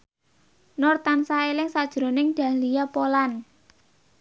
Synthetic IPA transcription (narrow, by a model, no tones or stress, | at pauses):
nɔrt̪ansaelɪŋsad̥ʒ̥ɾo̤nɪŋɖ̪̥ä̤nlijapolan